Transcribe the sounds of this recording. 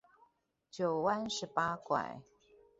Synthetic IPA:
t͡ɕjo˨˩ʊwa˥nʂɻ̩˧˥pa˥kwa̰˨˩˦ɪ

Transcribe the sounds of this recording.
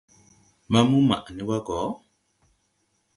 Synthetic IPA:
ma˦mu˦ma̰˨ʔa˨ni˨˦wa˦ɡɔ˨˦

